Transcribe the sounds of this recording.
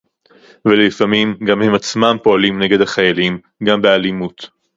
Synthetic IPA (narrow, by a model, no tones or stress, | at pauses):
velifamimɡamhe̞mat͡smampo̞alimne̞ɡedhaχajalim | ɡambealimut